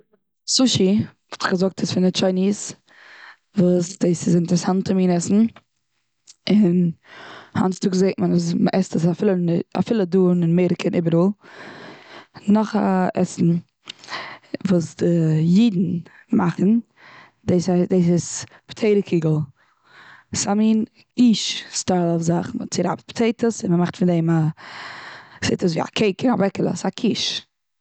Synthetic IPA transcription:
suʃivʊtχɡəzʊk̚tʰɪsfɪnɪt͡ʃaɪniːs | vuːsdeːsɪsɪntɛɾɛsantʰəmiːnɛsn̩ | ɪn | ha̰nstʊkzeɪtmənasməʔɛstəs̬afɪlˠəa̰fɪlˠəduːnɪnmeɪɾəkʰənʔɪbəɾuːlˠ | nɔχa̰ʔɛ̰sn̩ | vuːsdɪjiːdn̩ | maχn̩ | deɪsadeɪsɪs | ptʰeɪɾəkʰiːɡəl̩ˠ | samiːn | kiːʃstaɪlˠɔfzaχnt͡sɪɾa̰btpʰtʰeɪtʰəsɪnməmaχtfɪndeɪma | seɪtəs̬viːa̰kʰeɪkɪnavɛkəlˠə̰sakʰiːʃ

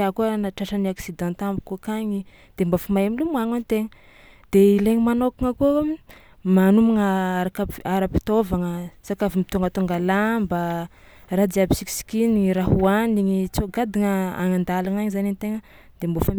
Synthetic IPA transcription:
akunaʈ͡ʂaʈ͡ʂəniaksid̪ɑ̃nt̪ambukukaɲi | d̪̥embofamajamilumuaŋanit̪eŋə | d̪̥eileŋimanokaŋəku | manumaŋəaɾakəaɾəpi̥t̪ovaŋəsakavimit̪uŋɡət̪uŋɡalamba | rad͡z̪iabisiki̥si̥kiniɲiɾaɦuaniɲit͡soɡad̪iŋəa̰ŋand̪alaŋaɲizanenit̪eŋə | d̪̥embofam

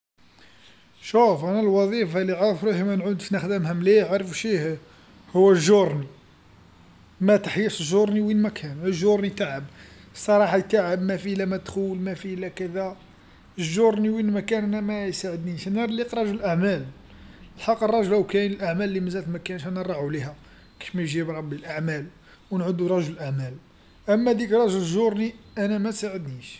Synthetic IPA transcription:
ʃufʔænælwɑðˤifɑliʕaɾˤfɾuhimænʕud̪finæxd̪əmɦæmliʕaɾˤəfʃih | hʊwːæʒoɾˤni | mæt̪əħjəʃʒoɾˤniwinmækʰænəʒːoɾˤnit̪aʕəb | sˤːɑɾˤɑħat̪aʕəbmæfilæmæt̪xulmæfilækæd̪æ | əʒːoɾˤniwinmækænʔænæmæjsaʕəd̪niʃnəɾˤliqɾˤɑʒələlʔaʕmæl | lħɑqːərˤːɑʒəlwkænəlʔaʕmælːiməzæt̪lmækænʃænəɾˤːɑʕuliɦæ | ki̥fmænʒibɾˤɑbːilʔaʕmæl | wnʕʊd̪uɾˤɑʒʊləlʔaʕmæl | ʔəmːæd̪ikɾˤɑʒəlʒoɾˤniʔænæmæt̪saʕəd̪niʃ

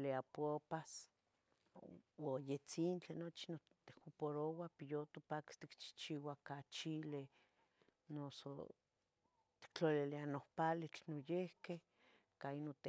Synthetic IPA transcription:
leapopas | wojet͡sint͡ɬenot͡ʃino | t̪e̥hupoɾowapijot̪opaki̥st̪ikt͡ʃi̥t͡ʃiwakat͡ʃile | noso̰ | t̪i̥k̚t͡ɬolilianohpalit͡ɬnojehkeh | kainot̪e

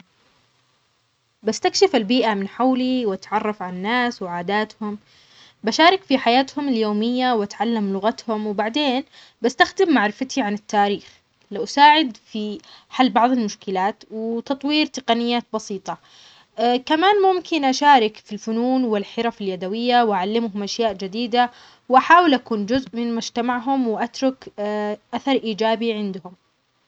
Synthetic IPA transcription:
bast̪akʃɪfɪlbiːʔamɪnħawliwat̪ʕɑrˤːɑfʕannːaːswʕaːd̪aːt̪hʊm | baʃaːɾɪkfiħajaːt̪hʊmɪljoːmɪjːawʔat̪ʕalːamlʊɣat̪hʊmwbaʕd̪eːn | bast̪axd̪ɪmːaʕɾɪfat̪ʰiʕanɪt̪ːaːɾiːx | lawʔasaːʕɪd̪fiħalːbɑʕðˤɪlmʊʃkɪlaːt̪wɪt̪ɑt̪ˤwiːɾt̪ɪqɑnɪjːaːt̪̚bɑsiːt̪ˤɑ | kamaːnmʊmkɪnʔaʃaːɾɪkfilfʊnuːnwɪlħɪɾˤɑfɪljad̪awɪjːawʔaʕalːɪmɦʊmʔaʃjaːʔd͡ʒɪd̪iːd̪a | wʔaħaːwɪlʔakuːnd͡ʒʊzʔmɪnmʊd͡ʒt̪amaʕɦʊmwɪʔat̪ɾˤʊkʔaθɑɾˤʔiːd͡ʒaːbiʕɪnd̪hʊm

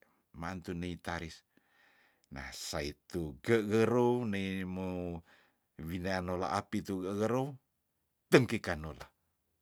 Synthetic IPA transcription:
mant̪uneit̪aɾis | na̰hsait̪uɡəɣəɾoneimu | wineanola̰ʔapit̪uɡəɣəɾo | t̪əŋkikanola

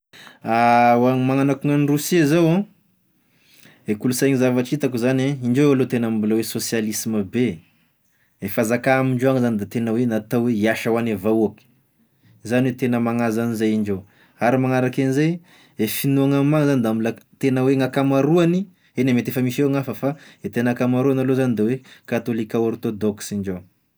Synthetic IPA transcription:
awamaŋanakuŋanirusizawã | ekulusajŋizavaʈ͡ʂit̪akuzaneiɳɖ͡ʐeowalot̪enambulawesosjalisiməbe | efazakaamiɳɖ͡ʐoaŋzanid̪at̪enəwenat̪awweiaʃawanevauaki̥ | zanwet̪enəmaŋazanizajiɳɖ͡ʐow | aɾimaŋaɾakanizaj | efinuaŋammaŋzanid̪ambulat̪enəweŋakamaɾuani | enamet̪efəmisewaŋafəfaet̪enakamaɾuanalozanid̪ewekat̪olikaoɾt̪od̪ɔksiɳd͡ʒo

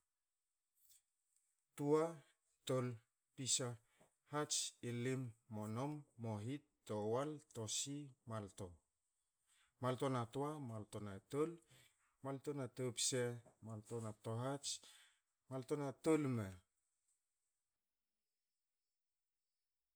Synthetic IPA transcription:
tua | tol | pisa | hat͡ʃilimːonomːoɦitː | owaltosimalto | maltonatoamaltonatol | maltonatopsemaltonatoɦat͡ʃ | maltonatolme

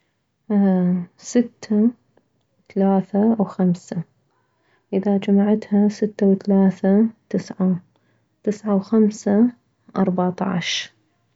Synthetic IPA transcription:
sɪt̪ʰːa | θalaːθawxamsa | ʔɪðad͡ʒamaʕat̪hasɪt̪ːawθalaːθat̪ɪsʕa | t̪ɪsʕawxamsa | ʔɑɾˤbɑʕt̪ˤɑ̰ʕʃ

